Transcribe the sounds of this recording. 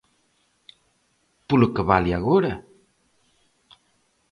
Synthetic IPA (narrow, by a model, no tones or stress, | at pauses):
pulukəβaliaɣoɾa